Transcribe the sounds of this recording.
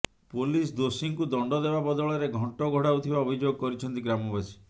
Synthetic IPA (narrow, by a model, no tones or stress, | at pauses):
polis̬d̪osiŋkud̪ɔɳɖɔd̪ebabɔd̪ɔɭɔɾeɡʱɔɳʈɔɡʱɔɽaut̪ʰibaobʱid͡ʒoɡɔkɔɾit͡ʃʰɔnt̪iɡɾamɔbasi̥